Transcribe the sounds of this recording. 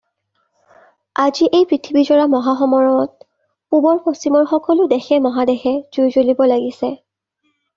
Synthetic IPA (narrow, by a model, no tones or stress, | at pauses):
aziʔejpɹitʰibizɔɹamɔɦaxɔmɔɹɔɔt̚ | pubɔɹpostimɔɹxɔkɔlʊdɛxɛmɔɦadɛxɛz̥ujzolibɔlaɡisɛ